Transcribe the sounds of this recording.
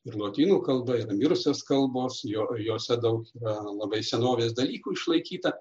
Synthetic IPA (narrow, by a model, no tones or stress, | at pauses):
ɪɾlˠoːt̪ʲiːnuːkɐlˠbɐiːɾɐmʲɪɾʊsʲoːskɐlˠboːsjoːjoːsʲɛd̪ɐʊkiːɾɐlˠɐbɐɪsʲɛnoːʋʲeːs̬d̪ɐlʲiːkuːɪʃlˠɐɪkʲiːt̪ɐ